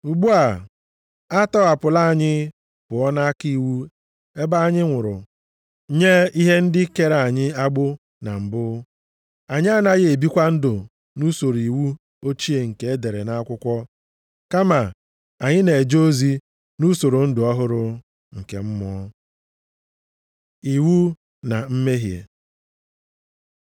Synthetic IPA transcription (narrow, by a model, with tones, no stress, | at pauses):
u˨ɡ͡bu˦a˨ | a˦tɔ˦a˨pʊ˨la˦˨ɲɪ˦ | pʊ˨ɔ˦na˦ki˦˨wu˦ | e˦ba˦a˦˨ɲɪ˦ŋʷʊ˨ɾʊ˨ | ɲe˦i˦ɦe˦n̩˦dɪ˦ke˦ɾa˨a˨ɲɪ˦a˦ɡ͡bʊ˦ | na̰˨m̩˨bʊ˦ | a˨ɲɪ˦a˦na˦ɣe˨bi˦kʷa˦n̩˦dʊ˨ | nu˦so˨ɾi˨wu˦ | o˦t͡ʃi˦e˨ŋ̩˨ke˦e˦de˨ɾe˨na˦a˦kʷʊ˦kʷɔ˦ | ka˦ma˨ | a˨ɲɪ˦ne˨e˨d͡ʒo˦zi˦ | nu˦so˨ɾo˨n̩˦dʊ˨ɔ˦ɦʊ˦ɾʊ˨ | ŋ̩˨ke˨m̩˦mɔ˦ | i˨wu˦ | na˨m̩˦me˦ɦjḛ˨